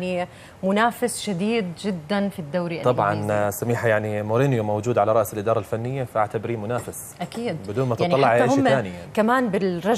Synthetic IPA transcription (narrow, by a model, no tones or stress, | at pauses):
ni | mʊnaːfɪsʃad̪iːd̪d͡ʒɪd̪ːanfid̪ːawɾiʔaˤɑbʕɑ̰nsamiːħajaʕnimoɾinjomawd͡ʒuːd̪ʕalaɾˤɑʔsɪlʔɪd̪ɑːɾˤɑlfanːɪjːafaʔaʕt̪abɪɾiːmʊnaːfɪs | ʔakiːd̪bɪd̪uːnmat̪aʕnˤɑlːɑʕaahʊmːaːnɪjakamaːnbɪlɾˤɑ